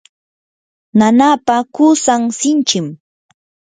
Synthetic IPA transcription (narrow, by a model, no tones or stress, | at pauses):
nanapakusaŋsɪnt͡ʃɪm